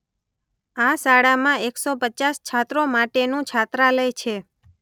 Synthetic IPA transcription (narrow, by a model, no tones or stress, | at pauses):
asaɽamãeksopət͡ʃast͡ʃʰat̪ɾomaʈenũt͡ʃʰat̪ɾaləjt͡ʃʰe